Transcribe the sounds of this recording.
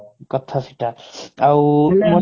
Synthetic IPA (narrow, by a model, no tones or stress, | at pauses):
kɔt̪ʰasiʈaawmɔ